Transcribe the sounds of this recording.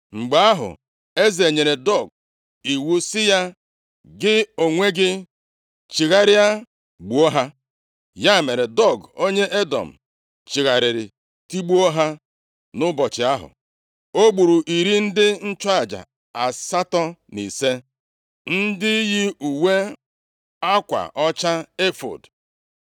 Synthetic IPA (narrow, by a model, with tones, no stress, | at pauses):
ŋ͡m̩˨ɡ͡ba˨a˦ɦʊ̰˨ | e˦ze˨ɲe˨ɾe˨dɔ˦˨ɡ̚ | i˨wu˦sɪ˦ja˦ | ɡɪ˦o˨ŋʷe˦ɡɪ˦ | t͡ʃɪ˨ɣa˨ɾɪ˦ja˦ | ɡ͡bu˨o˦ɦa˦ | ja˦˨me˨ɾe˨dɔ˦˨ɡo˦ɲe˦ʔe˦dɔ̰˨m̩˨ | t͡ʃɪ˨ɣa˨ɾɪ˨ɾɪ̰˨ | ti˦ɡ͡bu˦o˦ɦa˦ | nʊ˦bɔ˨t͡ʃɪ˨a˦ɦʊ̰˨ | o˦ɡ͡bu˨ɾu˨ʔi˨ɾi˦n̩˦dɪ˦n̩˦t͡ʃɔ˦a˨d͡ʒa̰˨ | a˨sa˦tɔ˦ni˨se˦ | n̩˦dɪ˦ji˦u˨we˦ | a˦kʷa̰˨ʔɔ˦t͡ʃa˦e˦fo̰˨d